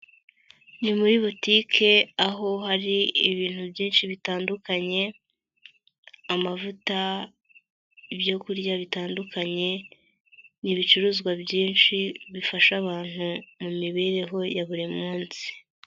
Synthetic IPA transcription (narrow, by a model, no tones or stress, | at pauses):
nimuɾiβutikʰe̞aɦo̞haɾiːβiːn̥hubjiːnʃiβitaːndukaɲe̞ | amavuta | ibjo̞kuɾjaβitaːndukʰaɲe̞ | niβit͡ʃuɾuːzɡwabjiːnʃiβifaʃaβaːn̥humumiβe̞ɾe̞ɦo̞jaβuɾimmuːnsi̥